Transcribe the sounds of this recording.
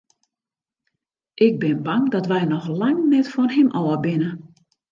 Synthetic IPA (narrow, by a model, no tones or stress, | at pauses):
ʔɪɡ̚bɪnbaŋdɔtʋɛjnɔxlaŋnɛtfɔnɦɪmʔɔːəbɪnə